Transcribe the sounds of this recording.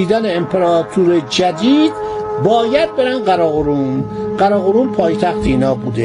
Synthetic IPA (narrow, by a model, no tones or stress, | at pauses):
iːd̪æneːmpʰeɾɒːt̪ʰuɾed͡ʒæd̪iːd̪̥bɒːjæd̪̚beɾænɢæɾɒːɣoɾuːnɢæɾɒːɣoɾuːmpʰɒːjt̪ʰæxt̪ʰeiːnɒːbuːd̪e